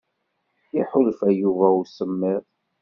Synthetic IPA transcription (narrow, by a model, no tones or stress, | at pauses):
iħʊlfæjuvæusəmːɪðˤ